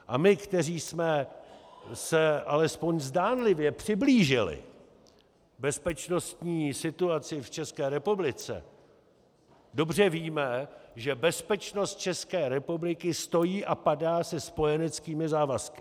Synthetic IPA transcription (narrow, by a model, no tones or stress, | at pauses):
ʔa̰mɪkt̪ɛriːsmɛ | sɛʔalɛspo̞ɲzdaːnlɪvjɛpr̝̥ɪbliːʒɪlɪ̰ | bɛspɛt͡ʃno̞st̪ɲiːsɪt̪uat͡sɪft͡ʃɛskɛːɾɛpublɪt͡sɛ̰ | do̞brɛviːmɛʒɛbɛspɛt͡ʃno̞st̪̚t͡ʃɛskɛːɾɛpublɪkɪst̪o̞jiːʔapadaːsɛspo̞jɛnɛt͡skiːmɪzaːvaskɪ̥